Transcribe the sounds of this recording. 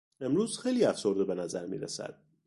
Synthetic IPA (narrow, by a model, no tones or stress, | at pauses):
e̞mɾuːz̥xejliːæfsoɾd̪ebenæzæɾmḭːɾæsæ̰d̪̥̚